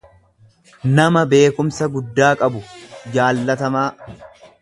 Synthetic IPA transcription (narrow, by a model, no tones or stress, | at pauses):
nɐmɐbe̞ːkʊmsɐɡʊd̪ːaːkʼɐbʊd͡ʒaːlːɐt̪ɐmaː